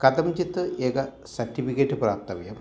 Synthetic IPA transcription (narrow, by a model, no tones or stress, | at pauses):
kɐd̪ɐmt͡ɕit̪ːɨʔeːkɐ | sɐɾʈːifikeːʈːɨpraːp̚t̪ɐʋjɐm